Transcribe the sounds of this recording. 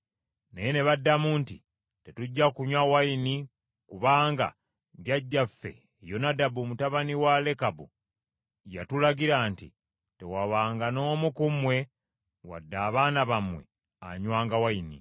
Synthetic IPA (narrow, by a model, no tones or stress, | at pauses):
nejene̞βadːamuːntḭ | te̞tuɟːakuɲwawaini | kuβaːŋɡa̰ | ɟaɟːafːe̞̰ | jonadabumutaβaniwale̞kabṵ | ja̰tulaɡiɾaːntḭ | te̞waβaːŋɡano̞ːmukumwe̞ | wa̰dːaːβaːnaβamwe̞̰ | a̰ɲwaːŋɡawainḭ